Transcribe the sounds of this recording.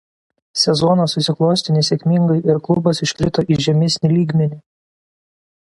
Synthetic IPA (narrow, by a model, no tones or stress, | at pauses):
sʲɛzɔnoːsːʊsʲɪklˠoːsʲt̪ʲɪnʲɪsʲɛkʲmʲɪŋɡɐɪʔɪɾklˠʊbɐsɪʃʲkʲɾʲɪt̪oːʔiʒʲɛmʲɪsʲnʲɪlʲiːɡmʲɛnʲɪ